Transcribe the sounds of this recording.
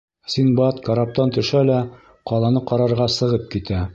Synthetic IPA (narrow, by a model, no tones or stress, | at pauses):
sinbɑt̪kaɾap̚t̪ɑnt̪ɵ̆ʃælæ | qɑlˠɑnɤqɑɾɑɾʁɑsɤ̆ʁɤp̚kit̪æ